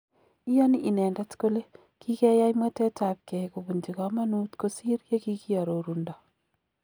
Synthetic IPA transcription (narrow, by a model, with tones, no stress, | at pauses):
i˦jɔ˦niʔi˨nɛ˨ndɛ˦tko˦le˦ | ki˦kɛ˦ja˦imwa˦te˦ta˨p̚kɛ˨ku˨bu˨ɲd͡ʒi˨kɔ˦ma˦nu˦tko˦si˦ɾje˦ki˦ki˦ɔ˨ɾo˨ɾundɔ˨